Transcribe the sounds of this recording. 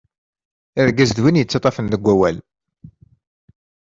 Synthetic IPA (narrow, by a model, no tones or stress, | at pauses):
æðɡæzðwinjət͡sːɑt̪ˤɑfənðəɡʷːæwæl